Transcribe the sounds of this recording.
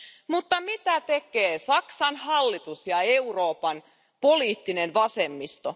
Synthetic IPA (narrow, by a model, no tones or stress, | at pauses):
mut̪ːɑmit̪æt̪e̞keːsɑksɑnhɑlːit̪usjɑe̞uro̞ːpɑn | po̞liːt̪ːinenʋɑsemːist̪o